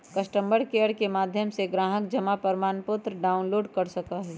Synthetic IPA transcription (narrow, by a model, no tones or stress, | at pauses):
kɐsʈə̃mbəɽkeəɽkemaːd̪ʱjəmseɡɾaːɦək̚d͡ʒɐmapəɾmaːnpʊt̪ɾəɖaːʊnloːɖkɐɾsɐkaɦɛː